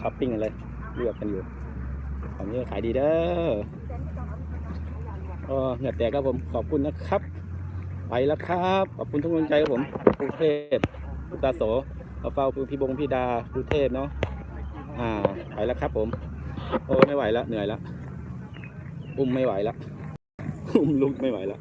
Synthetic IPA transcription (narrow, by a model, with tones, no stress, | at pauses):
kʰaː˨˩ppi˧˩ŋʔa˧la˧j | lɯ˧˩əkːa˧njuː˨˩ | kʰaː˨˩niː˧˥kːkʰaː˨˦jdiː˧dɤː˧ | ʔɔː˧˩ŋɯ˧˩ə˩t̪ːɛː˨˩kʰːa˦˥˩pʰo˨˩˦mkʰɔː˨˩p̚kʰu˧˨nːa˧˥˩kʰa˦˥p̚ | wa̰˨˩˦jla˧kʰa˦p̚kʰɔː˨˩p̚kʰu˧na˧˥˨ŋu˧˥˨nt͡ɕa˧jka˦˥˩pʰo˩˦mpʰuː˧t̪ʰeː˥˧˩p̚ | pʰu˧˥kt̪aː˧soː˨˩˦ | ɔ˧˩fa˧˩wpːpʰiː˧˩bo˧ŋpʰiː˧˩daː˧pʰuː˧˦t̪ʰeː˥˩p̚nɔ˦˥ | ʔaː˧˩wa̰˨˦jla˧kʰa˦˥pʰːo˨˩˦m | ʔoː˧˩ma˧˥˩jwa˨˩˦jla˧ʔnɯ˨˦əjla̰˧˥ʔ | ʔu˧˩mːa˧˥˩jwa˨˩˦jla˧˥ʔ | ʔu˧˩mlu˧˦˥k̚ma˥˩jwa̰˨˦jla˧ʔ